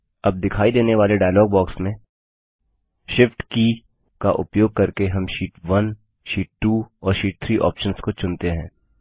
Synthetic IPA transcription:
ɐb̚d̪ɪkʰaːid̪eːneʋaːleɖaːjlɔːɡ̚bɔːksmẽ | ʃɪfʈki | kaʔʊ̰pjoːɡ̚kɐɾkeɦɐmʃiːʈʋɐn | ʃiːʈ̚ʈuːɔːɾʃiːʈ̚t̪ʰɾiːʔɔ̰ːpʃənskot͡ʃʊ̃nt̪eɦɛ̰̃ː

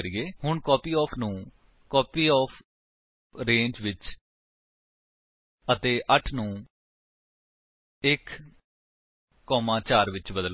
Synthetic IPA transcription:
əɾiːeːhʊɳkɔːpiːɔːpʰnũː | kɔːpiːɔːpʰ | ɾẽːɲd͡ʒʋɪt͡ʃ | ət̪eːʔəʈʰnũː | ɪk | ɔːmãːt͡ʃaːɾʋɪt͡ʃbəd̪əl

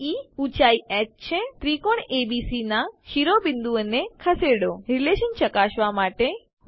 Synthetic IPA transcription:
iut͡ʃaiɛʈ̚t͡ʃʰet̪ɾikoɳebisinaʃiɾobɪnd̪uənekʰəseɽoɾileʃənt͡ʃəkaʃʋamaʈe

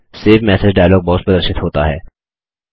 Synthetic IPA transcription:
seːfmɛːsed͡ʒɖaːjlɔːɡ̚bɔɦʊt̪̚pəd̪əɾʃɪt̪ɦoːt̪aɦɛ̰ː

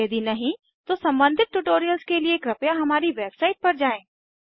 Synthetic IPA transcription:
d̪inɐɦĩ | t̪osɐ̃mbə̃nd̪ʱɪt̪̚ʈuʈoːɾijəlskelieːkɾɐpjaɦɐmaːɾiʋeːbsaːɪʈ̚pɐɾd͡ʒaːẽː

